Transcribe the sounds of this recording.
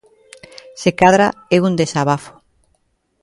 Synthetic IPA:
sekaðɾaeund̪esaβafo̥

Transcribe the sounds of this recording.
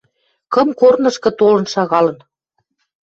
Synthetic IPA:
kɤ̆mkornɤ̆ʃkɤ̆t̪olɤ̆nʃɑɣɑlɤ̆n

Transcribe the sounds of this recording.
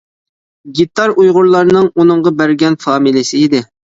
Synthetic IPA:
ɡʲit̪ːɑɾujʁʊɾlˠɑɾnɨŋunɨŋʁɑbæɾɡʲɛnfɑːmilɪsɪid̪ɪ

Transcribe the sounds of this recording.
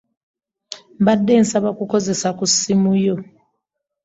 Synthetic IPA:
ɓadensʼaɓakʼukʰozisakʼusimujɔ

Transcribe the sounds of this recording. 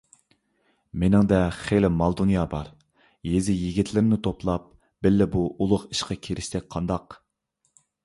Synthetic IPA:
menɪŋd̪ɛχelɪmɑlˠd̪unjɑːbɑɾ | jezɪjiɡʲit̪ʰlɪɾɪmnɪt̪ʰoplˠɑp̚ | b̥ɪlːɪbuʔulˠʊqi̥ʃqɑkʲʰeɾɪʃsɛk̚ʲqʰɑnd̪ɑq

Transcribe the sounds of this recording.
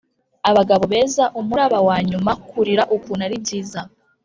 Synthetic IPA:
aβaɡaβo̞βe̞ːzaʔumuɾaβawaːɲumakuɾiɾaʔukuːnaɾib̚ɟiːza

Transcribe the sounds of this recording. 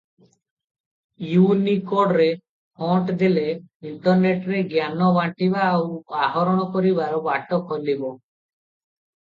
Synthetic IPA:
junikoɖɾe | pʰɔʈd̪ileiɳʈɔɾneʈɾeɡjanɔbaʈibaːwaɦɔɾɔɽ̃ɔkɔɾibaɾɔbaʈɔkʰɔlːibɔ

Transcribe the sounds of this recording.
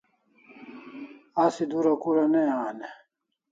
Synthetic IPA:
asid̪uɾɐkuɾɐneaːne

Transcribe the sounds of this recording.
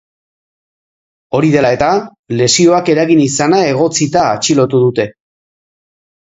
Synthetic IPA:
o̞ɾiðe̞lae̞t̪a | le̞sio̞ake̞ɾaɣinisanae̞ɣo̞t͡sit̪aːt͡ʃilo̞t̪uðut̪e̞

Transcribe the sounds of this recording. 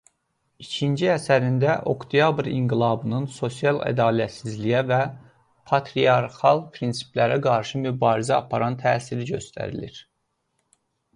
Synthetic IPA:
icʰind͡ʒiæsæɾind̪æʔokt̪ʰijɑbɾḭŋɡilˠɑbɯnɯnso̞sijɑlˠæ̰d̪ɑːliæt̪sizlijævæ | pʰɑt̪ʰɾiɑɾxɑlˠpʰɾinsi̥plæɾæɡɑɾʃɯmybɑːɾizæɑpʰɑɾɑnt̪ʰæːsiɾiɟø̞st̪ʰæ̰ɾḭlḭɾ

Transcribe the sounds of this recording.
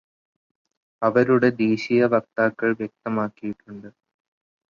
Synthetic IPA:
ɐʋɐɾuɽe̞d̪iːɕijɐʋɐk̚t̪aːkːɐɭʋjek̚t̪ɐmaːkːijiʈːuɳɖɨ

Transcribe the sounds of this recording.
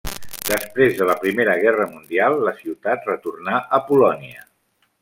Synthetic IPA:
d̪əspɾezðələpɾimeɾəɣ̞ɛrəmund̪ialˠːəsiwt̪at̪rət̪urnaʔəpulɔniə

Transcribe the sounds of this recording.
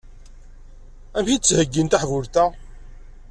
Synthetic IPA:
æmçit͡sːhəɡːint̪aħvʊɾt̪æ

